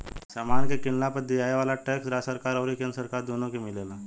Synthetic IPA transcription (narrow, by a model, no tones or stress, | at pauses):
samaːnkekɪɳlapəɾd̪iaːeʋaːlaʈeːksɾasəɾkaːɾɔːɾikẽnɾsəɾkaːɾd̪oːnõkimɪlelaː